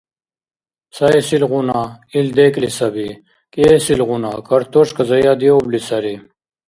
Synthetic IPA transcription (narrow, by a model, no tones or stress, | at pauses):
sɐesilʁunaild̪eklisɐbi | kesilʁunakɐɾt̪oʂkɐzɐjad̪ioblisɐɾi